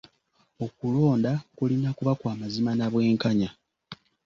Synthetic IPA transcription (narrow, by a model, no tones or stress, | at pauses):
o̞kulo̞ːndakulinakuβakwaːmazimanaβwe̞ːŋkaɲa